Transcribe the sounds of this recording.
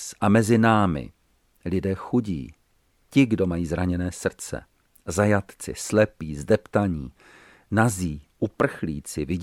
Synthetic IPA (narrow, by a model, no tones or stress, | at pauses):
sʔamɛzɪnaːmɪ̰ | lɪdɛːxuɟḭː | cɪɡdo̞majiːzɾaɲɛnɛːsr̩t͡sɛ̰ | zajat̪t͡sɪ̰slɛpiːzdɛpt̪aɲiː | naziːʔupr̩xlḭːt͡sɪvɪ